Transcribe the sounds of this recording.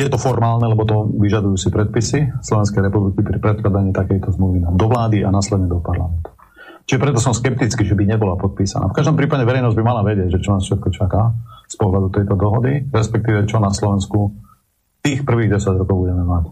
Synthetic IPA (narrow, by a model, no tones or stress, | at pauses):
jɛt̪ɔfɔɾmaːlnɛlɛbɔt̪ɔʋiʒad̪ujuːsipɾɛt̪̚pisislɔʋɛnskɛjɾɛpublikipɾipɾɛt̪̚klad̪aɲiːt̪akɛjt̪ɔzmluʋinad̪ɔʋlaːd̪iʔanaːslɛd̪ɲɛd̪ɔpaɾlamɛnt̪u̥ | t͡ʃiʒɛpɾɛt̪ɔsɔmskɛp̚t̪it͡skiːʒɛbiɲɛbɔlapɔt̪̚piːsa̰na̰ːfkaʒd̪ɔmpɾiːpaɟɛʋɛɾɛjnɔzɟbimalaʋɛɟɪɛɟʒɛt͡ʃɔnaːsfʃɛt̪̚kɔt͡ʃakaːspɔɦlad̪ut̪ɛjt̪ɔd̪ɔɦɔd̪iɾɛspɛk̚t̪iːʋɛt͡ʃɔnaslɔʋɛnsku | t̪iːxpr̩ʋiːɣɟɛsaɟɾɔkɔʊbuɟɛmɛmac